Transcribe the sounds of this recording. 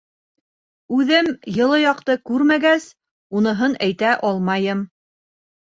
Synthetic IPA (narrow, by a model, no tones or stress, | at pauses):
ʉðɘmjɤ̆lˠɤjɑqt̪ɤkʉɾmæɡæs | unɤ̆ɦɤnæjt̪æʔɑlˠmɑjɤm